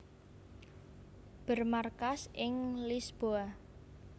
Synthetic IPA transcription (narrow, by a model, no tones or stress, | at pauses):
b̥ərmarkasʔɪŋlisb̥oa